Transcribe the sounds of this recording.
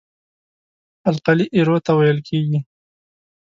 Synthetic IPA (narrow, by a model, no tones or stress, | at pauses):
alqaliʔiɾot̪awajəlkʰeɡi